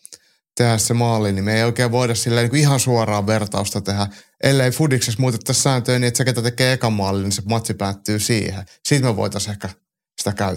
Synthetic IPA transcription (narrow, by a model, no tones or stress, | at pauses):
t̪ehæssemɑːlːinimeijoikeːʋʋoidɑssilːæeːniːŋkuihɑnsuorɑːʋʋert̪ɑust̪ɑt̪ehæʔelːeifudiksesmuːt̪et̪ːɑssæːnt̪øːniet̪seket̪æt̪ekeːekɑmɑːlːinisemɑt̪ːipæːt̪ːyːsḭːhe | siːt̪meʋo̰it̪ɑsehkæ | si̥t̪ækæy